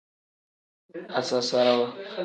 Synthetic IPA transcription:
a˨sa˦sa˦ɾa˦wa˦

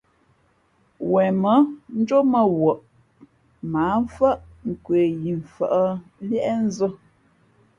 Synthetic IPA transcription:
wɛ˨mə˨˦n̩˦d͡ʒo˦mə˦˨wo˨ʔ | maː˨˦ɱ̩˦fə˦ʔŋ̩˨kwe˨ji˨ɱ˨fə̰˨ʔə˦ljɛ˦ʔɛ˦n̩˦zə˦

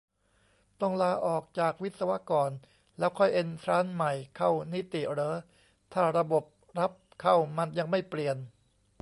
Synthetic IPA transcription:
t̪ɔ˥˩ŋlaː˧ʔɔː˨˩k̚t͡ɕaː˨˩k̚wi˦˥t̪̚sa˧wa˦˥kɔː˨˩n | lɛː˦˥wkʰɔ˥˩jʔe˧nt̪ʰɾaː˦˥nma˨˩jkʰa˥˩wni˦˥t̪i˨˩ɾɤː˦˥ | t̪ʰaː˥˩ɾa˧bo˨˩p̚ | ɾa˦˥p̚kʰa˥˩wma˧nja˧ŋma˥˩jpli˨˩ən

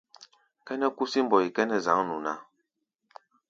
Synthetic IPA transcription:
kɛ˦nɛ˦ku˦si˦m˦bɔ˨i˨kɛ˦nɛ˦za˨˦ŋnu˨na˦

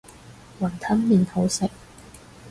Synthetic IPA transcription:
wɐ˨˩nt̪ʰɐ˥ŋmiː˨˩nho˨˥wsɪ˨k̚

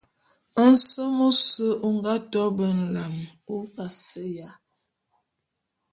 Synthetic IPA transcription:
ə˦n̩˦sə˦mo˦sə˦ʔo˦ŋɡa˦tɔ˦bə˨n̩˨la˨m | o˦ka˨sə˦ja˦

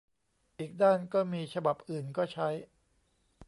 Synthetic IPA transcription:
ʔiː˨˩k̚daː˥˩nkɔː˥˩miː˧t͡ɕʰa˧ba˨˩p̚ʔɯː˨˩nkɔː˥˩t͡ɕʰa˦˥j

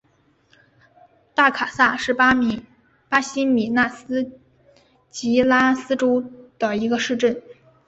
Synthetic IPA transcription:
t̪a˥˩kʰa˨˩sa˥˧ʂɻ̩˥˩pa˥m˨˩ | pa˥ɕi˥mi˨˩na˥˩sɹ̩˥ | t͡ɕi˧˥la˥sɹ̩˥ʈ͡ʂo˥ʊd̪̥ə˨i˧˥ɡə˧ʂɻ̩˥˧ʈ͡ʂə˥˩n

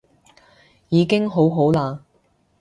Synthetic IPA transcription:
jiː˨˧kɪ˥ŋɦo˨˥wɦo˨˥wlaː˧

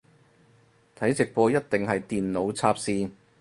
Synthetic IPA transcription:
t̪ʰɐ˨˥jt͡sɪ˨k̚pɔː˧jɐ˥t̚t̪ɪ˨ŋɦɐ˨jt̪iː˨nlo˨˥wt͡sʰaː˥p̚siː˥

